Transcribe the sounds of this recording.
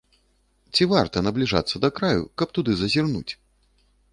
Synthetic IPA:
t͡sʲivart̪ɐnɐblʲiʐa̰t̪sːɐd̪ɐkɾajṵkɐp̚t̪ud̪ɨzɐzʲirnṵt͡sʲ

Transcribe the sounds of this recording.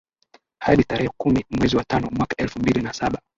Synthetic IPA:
haɗitaɾɛhɛkumimwɛziwatanɔmwakḁʔɛlfumbilinasaɓa

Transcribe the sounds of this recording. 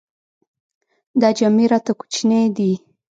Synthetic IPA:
d̪ɑd͡ʒɑmeɾɑt̪aku̥t͡ʃned̪i

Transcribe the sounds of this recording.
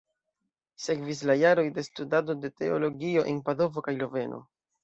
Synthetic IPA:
se̞kvis̬lajaɾo̞jde̞studado̞de̞te̞o̞lo̞ɡio̞ʔenpado̞vo̞kajlo̞ve̞no̞̰

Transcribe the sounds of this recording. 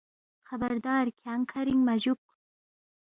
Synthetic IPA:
xabaɾd̪ɑːɾkʰaŋkʰaɾiŋmaʒuk

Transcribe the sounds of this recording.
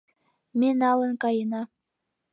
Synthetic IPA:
menɑlə̆nkɑjənɑ

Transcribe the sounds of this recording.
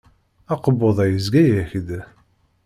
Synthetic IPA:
ɑqəbːoðˤæjəzɡæjæçd̪

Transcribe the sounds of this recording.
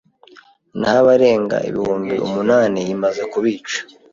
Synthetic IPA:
nhaβaɾe̞ːŋɡa̰ḭβḭhuːmbiʔṵmunaːnijimaze̞kuβiːt͡ʃḁ

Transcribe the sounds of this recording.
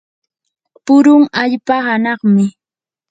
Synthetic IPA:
pʊɾʊŋaʎpahanɑχmɪ

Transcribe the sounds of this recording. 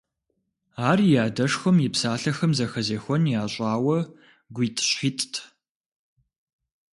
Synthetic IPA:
aːrijaːdɐʂxʷɐmjɪpsaːɬɐxɐmzɐxɐzeːxʷɔnjaːɕʼaːwɐ | ɡʷiːtʰɕitʼtʰ

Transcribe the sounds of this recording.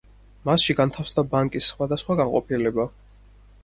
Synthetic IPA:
masʃiɡant̪ʰafsd̪abaŋkʼisːχwad̪asχwaɡanqʼɔpʰilɛba

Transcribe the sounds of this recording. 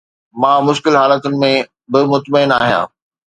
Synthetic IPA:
mãːmʊʃkɪlɦaːlət̪ʊnɪ̆mẽ | bɪmʊt̪məɪnaːɦijã̰ː

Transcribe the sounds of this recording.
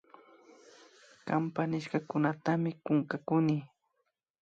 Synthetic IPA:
kampanɪʃkakʊnat̪amɪkʊŋkakʊni

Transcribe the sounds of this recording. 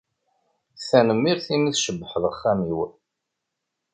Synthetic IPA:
θænəmːiɾθimiθʃəbːəħəðˤχːæmiw

